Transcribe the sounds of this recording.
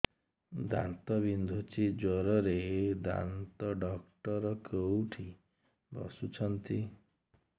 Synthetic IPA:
d̪a̰nt̪ɔbind̪ʱut͡ʃʰid͡ʒwɔɾɔɾed̪a̰nt̪ɔɖɔkʈɔɾɔkowʈʰi | bɔ̰sut͡ʃʰɔnt̪i

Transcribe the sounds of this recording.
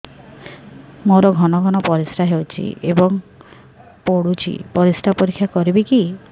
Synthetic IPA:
moɾɔɡʱɔnɔɡʱɔnɔpɔɾisɾaɦewt͡ʃʰḭebɔŋ | poɽut͡ʃʰḭpɔɾisʈapoɾikʰːjakɔɾibiki

